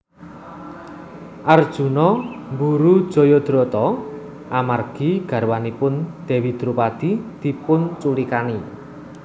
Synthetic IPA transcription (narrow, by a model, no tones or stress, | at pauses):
ʔard̥ʒ̥ṳnɔmbuɾud̥ʒ̥ɔ̤jɔd̪̥ɾɔt̪ɔ | ʔamarɡ̥i̤ɡ̥ä̤ɾwanipʊnd̪̥e̤wid̪̥ɾupad̪̥id̪̥i̤pʊnt͡ʃulikani